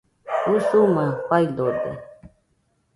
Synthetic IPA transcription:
usumãɸaidodḛ

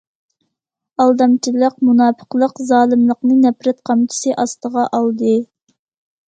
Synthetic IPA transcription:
ɑlˠd̪ɑmt͡ʃʰilˠəq̚munɑːpʰə̥qlˠəqzɑːlˠɨmlˠəqnɨnɛpɾɛt̪̚qʰɑmt͡ʃʰi̥sɨʔɑst̪əʁɑʔɑlˠd̪ɨ

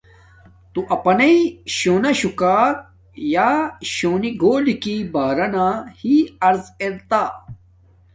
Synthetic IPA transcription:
t̪uʔɐpɐnɐiɕoːnɐɕukaːɾ | jaːɕoːniɡoːlikibaːɾɐnahiɐɾzeɾt̪aː

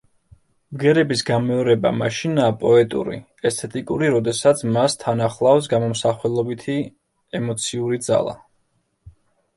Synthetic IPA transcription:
mɡɛɾɛbisɡamɛɔɾɛba̰maʃinaːpʼɔɛt̪ʼṵɾḭ | ɛst̪ʰɛt̪ʼikʼuɾiɾɔd̪ɛsat̪sʰmast̪ʰanaχlˠafsɡamɔmsaχwɛlˠɔbit̪ʰi | ɛmɔt̪sʰiuɾid̪za̰lˠa̰

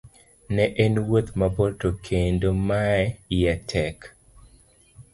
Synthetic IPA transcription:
nɛʔɛnwot̪maboltokʰendomaɛjɛtʰɛk

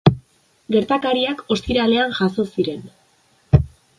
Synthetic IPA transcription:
ɡe̞ɾt̪akaɾiako̞st̪iɾale̞anʝaso̞siɾe̞n

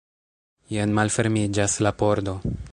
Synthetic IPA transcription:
jenmalfe̞ɾmid͡ʒaslapo̞ɾdo̞

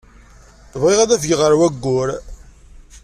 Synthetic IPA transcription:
əvʁeʁæðæfəɡʁəɾwæɡːʊɾ

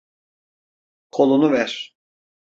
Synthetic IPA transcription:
kʰo̞lˠunuvæɾ̥

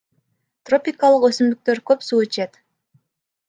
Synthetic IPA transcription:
t̪ro̞pʲɪkalˠəqø̞symd̪yk̚t̪ø̞ɾkøpsuːt͡ʃʰet̪

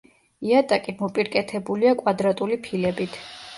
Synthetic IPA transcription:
iat̪ʼakʼimɔpʼiɾkʼɛt̪ʰɛbuliakʼwad̪ɾat̪ʼulipʰilɛbit̪ʰ

